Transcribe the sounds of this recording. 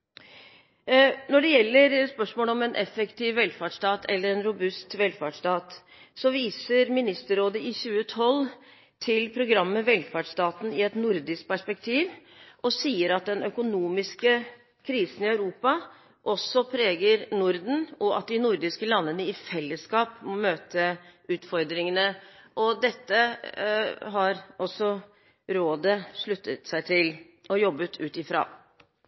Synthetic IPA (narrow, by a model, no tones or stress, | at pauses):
nɔɖɛjɛlːəɾspœʂmoːlɔmɛnʔɛfɛkt̪ʰɪʋːɛlfæɖʂt̪ɑːt̪ʰɛlːəɾɛnɾʊbʉst̪ʋɛlfæɖʂt̪ɑːt̪ | sɔʋiːsəɾmɪnɪst̪əɾoːd̪əɪçʉːət̪ʰɔl | t̪ʰɪlpʰɾʊɡɾɑmːəʋɛlfæɖʂt̪ɑːt̪n̩ɪɛt̪nʊɾd̪ɪsk̚pæʂpɛk̚t̪ʰiːʋʔɔsiːəɾɑt̪̚d̪ɛnœkʊnuːmɪskə | kʰɾiːsən̩ɪɑʉɾuːpɑ | ʔɔsːɔpʰɾeːɡəɾnʊɾd̪n̩ɔʔɑ̰t̪̚d̪ɪnʊɾd̪ɪskəlɑnːənəɪfɛlːəskɑːpmɔmøːt̪ʰəʉːt̪fɔɾd̪ɾɪŋənəʔɔd̪ɛt̪ːə | ɦɑɾɔsɔ | ɾoːd̪əʂɭʉt̪ʰːə̰t̪sæɪt̪ʰɪl | ɔjɔbːət̪ʰʉːt̪ɪfɾɑ̰ː